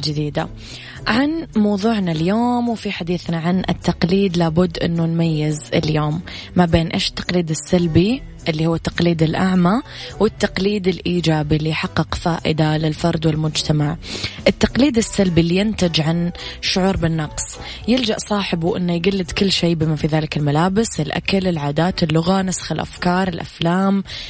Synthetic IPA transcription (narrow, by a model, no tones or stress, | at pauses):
d͡ʒɪd̪iːd̪a̰ | ʕanmɑwðˤuːʕnaljoːmwfiħad̪iːθnaʕanɪ̰t̪ːɑqliːd̪laːbʊd̪ːʔɪ̰nːunmajːɪzɪ̰ljoːmː | abeːnʔḛːʃɪ̥t̪ːɑ̥qliːd̪ɪsːalbi | ʔɪlːihuːat̪ːɑ̥qliːd̪ɪlʔaʕma | wɪt̪ːɑqliːd̪ɪlʔiːd͡ʒaːbilːijħɑqːɨqfaːʔɪ̰d̪alɪlfɑɾˤd̪wɪlmʊd͡ʒt̪ʰamaʕʔɪt̪ːɑqliːd̪ɪsːalbilːijɪnt̪ɪd͡ʒʕanʃːʊʕuːɾˤbɪnːɑqsˤ | jɪld͡ʒaʔsˤɑːħɪbwʔɪ̰nːajɡalːɪd̪kɪlːʃeːbɪmafiðaːlɪkɪlmalaːbɪsɪlʔa̰kalɪlʕaːd̪aːt̪ɪlːʊɣanasxɪlʔa̰fkɑːɾˤɪlʔa̰flaːm